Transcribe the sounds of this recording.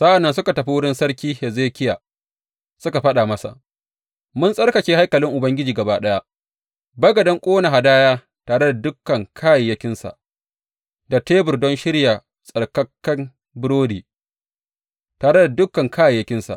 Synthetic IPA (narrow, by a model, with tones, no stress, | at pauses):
sa˦ʔa˨nːɐ˦nsʊ˦ka˨tɐ˨ɸi˦wʊ˦ɽɪ˦nsɐ˦ɾkʲiː˦hɛ˨zeː˦kʲɪ˦jaː˨ | sʊ˦ka˨ɸɐ˦ɗa˨mɐ˦sa̰˨ʔ | mʊ˦nsʼɐ˦rkɐ˨t͡ʃeː˦ha˦jkɐ˨lɪ˦ŋʔʊ˨bɐ˦ŋɡʲɪ˦d͡ʒiː˨ɡɐ˨baː˦ɗɐ˦ja˦ | bɐ˦ɡɐ˨dɐ˦ŋkʷʼoː˦na˨ɦa˨daː˦jaː˦ | taː˨ɽe˦da˨dʊ˦kːɐ˨ŋkʰaː˦ji˨jɐ˦kʲɪ˦nsa̰˨ʔ | da˨teː˦bʊ˨rdɔ˦nʃɪ˦ɽja˨ | sʼɐ˨rkɐ˦kːɐ˦m | bɪ˦ɾoː˦diː˨ | taː˨ɽe˦da˨dʊ˦kːɐ˨ŋkʰaː˦ji˨jɐ˦kʲɪ˦nsa̰˨ʔ